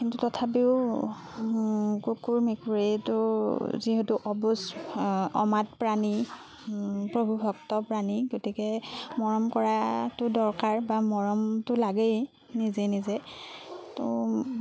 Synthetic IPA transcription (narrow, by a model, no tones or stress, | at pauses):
kintutɔtʰap̬iʊ | kukuɹmekuɹetʊziɦɛtuʔɔbus | ɔmat̚pɹani | pɹobʱuxɔk̚tɔpɹaniɡotikɛmɔɹɔmkɔɹatʊdɔɹkaɹbamɔɹɔmtʊlaɡɛ | nizenizɛ | to